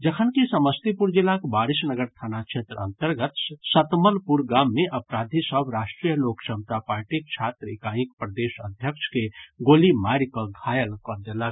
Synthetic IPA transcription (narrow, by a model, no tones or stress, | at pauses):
d͡ʒəkʰənkisəməst̪ipuɾd͡ʒilakbaɾisnəɡəɾt̪ʰanat͡ʃʰet̪ɾə̰nt̪əɾɡət̪sət̪məlpuɾɡamːeʔəpɾad̪ʱisəbɾaʃʈɾijəlokt͡ʃəmt̪apaɾʈik̚t͡ʃʰat̪ɾikajĩkpɾəd̪esə̰d̪ʱjəkt͡ʃʰkeɡolimaɾikɔɡʱajəlkɔd͡ʒ̪ela